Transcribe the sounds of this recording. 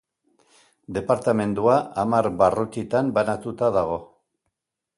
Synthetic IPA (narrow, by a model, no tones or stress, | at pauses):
d̪e̞paɾt̪ame̞nd̪uaʔamaɾβarukit̪ambanat̪ut̪aðaɣ̞o̞